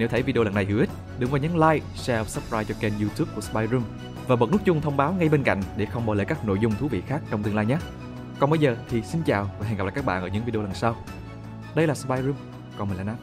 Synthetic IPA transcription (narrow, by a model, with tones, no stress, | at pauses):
ne˨˥wt̪ʰjvi˧i˧la˨˩nːa˨˩jhi˧˩˦wʔi˦˥t̚ | ɗɨ˨˧˦ŋvaː˨˧˩ɲa˨˦ŋlaː˧j | sɛ˧wsə˦˥p̚ɹaː˧jt͡ɕɔ˧kɛ˧nju˧t̪u˦˥p̚ku˧˩əspaː˧jzu˧m | vaː˨˩ɓə˨˩t̚n˦˥k̚t͡ɕʊ˧ŋ͡mt̪ʰə˧wŋ͡mɓaː˨˦wŋa˧jɓe˧nka̰˧˨jŋ̟ɗe˧˩xə˧wŋ͡mɓaː˧˩lə̰˧˨jkaː˦˥k̚no̰˧˨jzʊ˧wŋ͡mt̪ʰu˨˦vḭ˧˨xaː˦˥k̚t͡ɕɔ˧wŋ͡mt̪ɨ˧əŋlaː˧jɲaː˦˥ | kɔ˨˩nɓə˧jzəː˨˩t̪ʰi˨˩si˧nt͡ɕaː˨˩wvaː˨˩ɦn˨˩p̚la̰ː˨˩k̚ːɓa̰ː˧˨nʔəː˧˦ɲɨ̰˧˥ŋvi˧ɗo˧la˨˩nsaː˧w | ɗə˧jlaː˨˩spaː˧jzu˧m | kɔ˨˩nmə˨˩nla˨˦naː˧˦